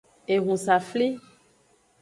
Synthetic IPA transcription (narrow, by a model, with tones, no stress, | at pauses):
e˨ɣũ˨sa˨fli˦